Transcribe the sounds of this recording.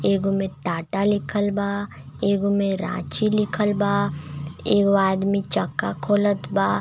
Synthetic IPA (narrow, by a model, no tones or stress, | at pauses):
eːɡomẽʈaːʈalɪkʰəlbaː | eːɡomẽɾã̰ːt͡ʃilɪkʰəlbaː | eːɡaːd̪mit͡ʃəkːa̰kʰoːlət̪ʰbaː